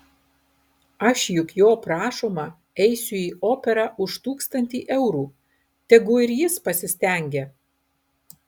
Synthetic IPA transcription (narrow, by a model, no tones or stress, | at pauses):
ɐʃjʊkjoːpɾɑːʃoːmɐ | ɛɪsʲʊiːoːpʲɛɾɑʔʊʃt̪uːkst̪ɐnʲt̪ʲiːʔɛʊɾuː | t̪ʲɛɡʊɪɾjɪspɐsʲɪsʲt̪ʲɛˑŋʲɡʲɛ